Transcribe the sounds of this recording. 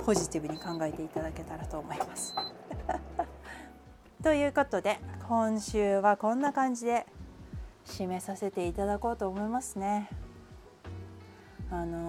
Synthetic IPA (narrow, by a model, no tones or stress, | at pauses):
pʰo̞ʑit̪ʲibɯ̟ɲ̟ikãŋɡae̞t̪e̞it̪ad̪ake̞t̪aɾat̪o̞ːmo̞imasɨ̥ | t̪o̞jɯ̟ːko̞t̪o̞d̪e̞kʰõ̞ɰ̃ɕɨːβakõ̞nːakãɲ̟d͡ʑid̪e̞ | ɕime̞sase̞t̪e̞it̪ad̪ako̞ːt̪oːmo̞imasɨne̞ | ano̞